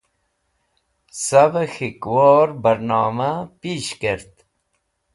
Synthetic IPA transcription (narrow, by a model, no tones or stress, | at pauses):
sabxikwoːɾbəɾnɑːmapiɕkeɾt̪